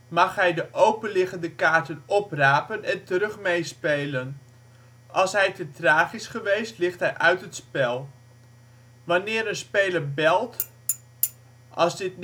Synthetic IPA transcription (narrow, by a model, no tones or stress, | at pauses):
mɑχɦɛjdəʔowpənlɪχəndəkaːɹtənɔpraːpənɛntəɾɵχmejspejlən | ʔɑlˠsɦɛjtətraːχɪsχəʋejstlɪχtɦɛjʔœɥtɦətspɛlˠ | ʋɑnɪːɾənspejləɹbɛlˠt | ʔɑ̰zdɪtn